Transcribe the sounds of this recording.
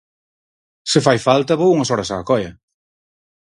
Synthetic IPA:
sɪfajfalt̪ɐβowuŋɐsɔɾɐsaːkɔjɐ̰

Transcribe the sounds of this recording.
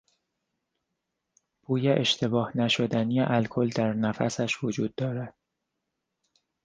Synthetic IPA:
b̥uːjeʔe̞ʃt̪ʰe̞bɒːhnæʃo̞d̪ænijeʔælkʰo̞ld̪æɾnæfæ̰sæʃvod͡ʒuːd̪ːɒːɾæd̪̥

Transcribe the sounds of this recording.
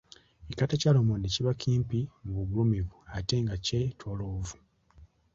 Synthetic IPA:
ikatacalomondeciβakiːmpimuβuɡulumivuate̞ŋɡacetwoloːvu̥

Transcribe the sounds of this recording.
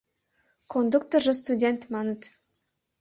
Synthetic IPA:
kʰond̪ukt̪orʒəst̪udʲent̪mɑnət̪

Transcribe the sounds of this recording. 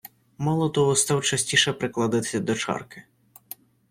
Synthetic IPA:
mɑlˠɔt̪ɔɦɔst̪ɑwt͡ʃɐsʲtʲiʃɛpɾɪklˠɐd̪ɪt̪ɪ̥sʲɐd̪ɔt͡ʃɑ̰rkɪ

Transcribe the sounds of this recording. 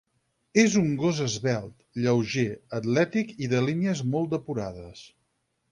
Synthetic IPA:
ezuŋɡozəzβɛlˠt̪ʎəwʒeət̪lɛt̪ikiðəliniəzmolˠt̪d̪əpuɾaðəs

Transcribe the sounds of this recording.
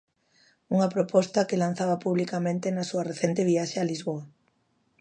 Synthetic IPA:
uŋɐpɾopɔst̪ɐkelan̟θaβɐpuβlikamẽnt̪enasuɐreθent̪eβiaʃealizβoɐ

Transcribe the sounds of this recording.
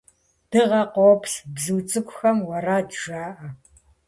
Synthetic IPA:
d̥ɨʁɐqʷoːpʰɬbzɨwt͡sʼɨkʷʰʼʊxɐmwɐraːd͡ʒʒaːʔɐ

